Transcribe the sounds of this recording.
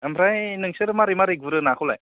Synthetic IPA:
amʰɾajnɯŋsɯɾɯmaɾimaɾiɡ̚vuɾɯnakʰula̰j

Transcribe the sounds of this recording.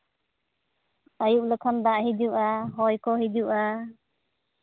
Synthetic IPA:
ajuʔləkʰɔnd̪aʔɦiduʔaɦɔjkɔɦiduʔa

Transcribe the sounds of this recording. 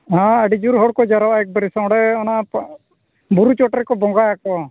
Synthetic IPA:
ɦãəɖid͡ʒuɾɦɔɽkɔd͡ʒaɾɔwaɛk̚baɾisãwɽɛɔna | buɾut͡ʃɔʈɛɾkɔbɔ̃ŋɡajakɔ

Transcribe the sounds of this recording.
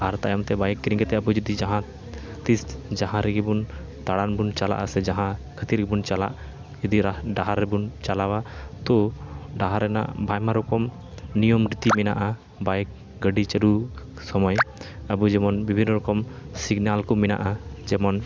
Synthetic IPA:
aɾt̪ajɔmt̪ɛbajkːɾĩŋɡɛt̪ɛəbud͡ʒɔd̪id͡ʒaɦã | t̪isd͡ʒaɦãɾɛɡibun | t̪aɽanbunt͡ʃala̰ʔasɛd͡ʒãɦãkʰət̪iɾɡibunt͡ʃala̰ʔ | d͡ʒɔd̪iɾaɖaɦaɾːɛbunt͡ʃalawat̪ɔɖaɦaɾɛna̰ʔbʱajmaɾɔkɔm | nijɔmɾit̪imɛna̰ʔa | bajk̚ | ɡəɖit͡ʃəɖu | sɔmɔjəbud͡ʒɛmɔnbibʱinːɔɾɔkɔmsiɡnalkɔmɛna̰ʔad͡ʒɛmɔn

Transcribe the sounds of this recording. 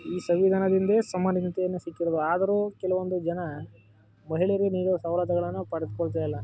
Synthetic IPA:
iːsɐʋid̪ʱaːnɐd̪ind̪esɐmːɐnɐnɐt̪ɛjɐnːusikːiɾod̪uaːd̪ɐɾuːkɛlɐʋond̪ud͡ʒɐnɐ | mɐɦiɭeɾuniːɾusɐʋlɐt̪ɐɡɐɭɐnːupɐɽɐd̪kɔɭt̪ajɐlːɐ

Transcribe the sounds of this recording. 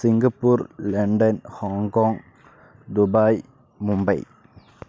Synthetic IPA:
sɪŋɡɐpːuːɾlɐɳɖɐnhaːŋkoːŋ | d̪ʊbaːj | mʊmbɐɪ

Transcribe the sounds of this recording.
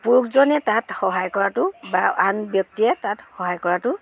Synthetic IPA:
puɹukzɔnɛtatxɔɦajkɔɹatʊbaanbjɔk̚tijɛtatxɔɦajkɔɹatʊ

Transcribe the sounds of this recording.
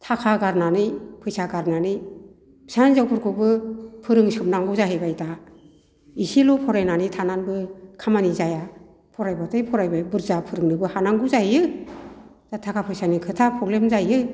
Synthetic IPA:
tʰakʰaɡaɾnanɯjpʰɯjsaɡaɾnanɯj | bsanzawpʰɔɾkʰɔbɯpʰɯɾɯŋsɯp̚naŋɡuzaɦɯjbajta | isilɔpʰɔɾajnanitʰananbɯkʰamanizaja | pʰɔɾajbatʰɯjpʰɔɾajbabɯɾzapʰɯɾɯŋnɯbɯhanaŋɡuzajɯ | tatʰakʰapʰɯjsanikʰɯtʰapʰɾɔɡlemzajɯ

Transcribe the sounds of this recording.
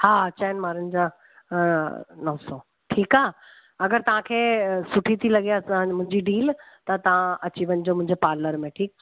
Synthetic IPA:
haːɐt͡ɕaːɪnmaːɾənɪ̆d͡ʑã | nɔːsõ | ʈʰiːkaː | ɐɡəɾt̪ɐʋ̤ãkʰeːsʊʈʰit̪ʰilɐɡiasãmʊ̃ɦɪ̃ɲd͡ʑiɖiːl | t̪ɐt̪ɐʋ̤ãɐt͡ɕiʋənɪ̆d͡ʑoːmʊ̃ɦɪ̃ɲd͡ʑepaːɾləɾmẽʈʰiːk̚

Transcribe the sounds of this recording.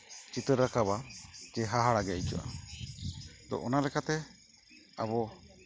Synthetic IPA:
t͡ʃit̪əɾːakabad͡ʒɛɦaɦaɽaɡɛit͡ʃɔ̰ʔa̰ | t̪ɔ̰ʔɔnalɛkat̪ɛ | a̰bɔ

